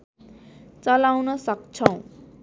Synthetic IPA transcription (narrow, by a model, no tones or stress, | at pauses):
t͡sʌlawnʌsʌkt͡sʰʌw̃